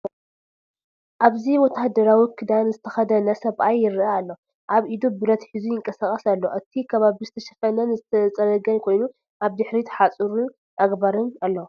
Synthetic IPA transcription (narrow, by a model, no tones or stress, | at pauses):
ʔaβzimot̪ʰahd̪ɐɾawikʰɨd̪anzɨt̪ʰɐxɐd̪ɐnɐsɐβʔajːɪɾaːlːo | ʔaβʔid̪ubɨɾɐt̪ħizujɪŋkʼɐsakʼɐsalːo̞ʔɨt̪ʰikʰɐβaβizɨt̪ʰɐʃɐ̥fɐnɐnzɨt̪ʰɐt͡sʼɐlɐɡɐnkʰo̞jnu | ʔaβd̪ɨħɾit̪ʰħat͡sʼuɾu | ʔaɡbaɾɨnalːo